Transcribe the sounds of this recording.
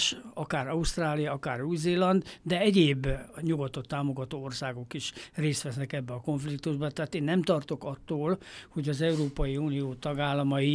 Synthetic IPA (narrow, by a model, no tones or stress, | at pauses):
ʃɒkaːɾɒust̪raːlijɒɒkaːruːzeːlɒnd̪d̪ɛɛɟeːbːɲuɡɔt̪o̞t̪ːaːmoɡɒt̪oːorsaːɡo̞kiʃreːst̪ʋɛsnɛkɛbːɛɒko̞ɱflik̚t̪uʒbɒt̪ɛːt̪eːnːɛmt̪ɒrt̪o̞kɒt̪ːoːlho̞ɟɒzɛuɾoːpɒjiuːnijoːt̪ɒɡaːlːɒmɒi